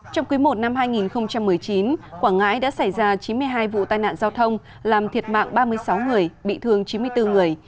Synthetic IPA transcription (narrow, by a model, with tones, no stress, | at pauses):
t͡ɕɔ˧wŋ͡mku˨˦jmo˨˩t̚na˧mɦaː˧jŋi˨˩nxə˧wŋ͡mt͡ɕa˧mːɨ˨˩əjt͡ɕi˨˦nkwaː˧˩ŋa̰ː˧˥jɗa̰ː˧˥sa˧˩jzaː˧t͡ɕi˨˦nmɨ˧əjɦaː˧jvṵ˧˨t̪aː˧˩jna̰ː˧˨nzaː˧wt̪ʰə˧wŋ͡m | laː˨˩mt̪ʰi˨˩ət̚ma̰ː˧˨ŋɓaː˧mɨ˧əjsa˨˦wŋɨ˨˩əjɓḭ˧˨t̪ʰɨ˧əŋt͡ɕi˨˦m˧əjt̪ɨ˧ŋɨ˨˩əj